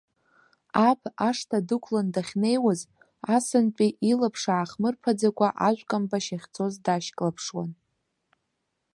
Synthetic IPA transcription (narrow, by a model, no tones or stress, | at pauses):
apʰaʂtʰadɨkʷʰlandaχʲne̞jwaz | asɨnpʼiʔilapʰʂaːχmɨrpʰad͡zakʷʼaʔaʒʷkʼambaʃaχʲt͡sʰʼo̞zdaʃkʼlapʰʂwa̰n